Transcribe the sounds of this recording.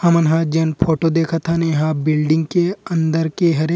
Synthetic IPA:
hɐmɐnɦãd͡ʒenpʰoːʈod̪eːkʰat̪ʰanɦãbɪlɖɪ̃ŋɡkeɐ̃nd̪əɾkeɦɐɾe

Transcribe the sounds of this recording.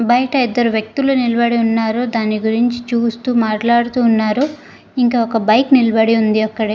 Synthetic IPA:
bɐjʈɐid̪ːɐɾuʋjɐk̚t̪ulunilɐbɐɽiunːaːɾud̪aːnːiɡuɾiɲt͡ʃit͡ʃuːst̪uːmaːʈlaːɽut̪uːnːaːɾu | iŋkaːɔkɐbɐjknilɐbɐɽiund̪iɐkːɐɽe

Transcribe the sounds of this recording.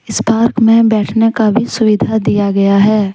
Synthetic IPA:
ɪspaːɾkmẽbɛːʈʰnekabʱisʊʋɪd̪ʱad̪ijaɡɐjaɦɛː

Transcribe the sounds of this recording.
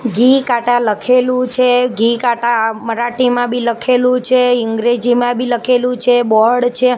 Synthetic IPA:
ɡikaʈaləkʰelũt͡ʃʰeɡikaʈaməɾaʈimãbʱiləkʰelũt͡ʃʰeɪŋɡɾed͡ʒimãbʱiləkʰelũt͡ʃʰebɔɽt͡ʃʰe

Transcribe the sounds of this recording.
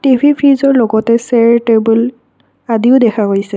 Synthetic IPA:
tibʱipʰizɔɹlɔɡɔtɛsɛɹtebul | adiʊdɛkʰakojsɛ

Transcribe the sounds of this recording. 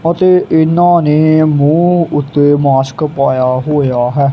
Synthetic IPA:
ət̪eːʔɪnãːneːmũːʊt̪ːeːmaːsə̥kpaːjaːɦoːjaːɦɛː

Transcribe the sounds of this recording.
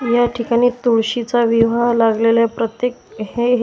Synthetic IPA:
jaʈʰikaɽ̃iːt̪uɭɕit͡saʋiʋalaɡlelaepɾət̪jekɦeɦ

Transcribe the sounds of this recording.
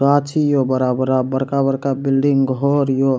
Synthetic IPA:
ɾat͡ʃʰijobəɾabəɾabəɾkabəɾkabilɖiŋɡɡʱɔɾjo

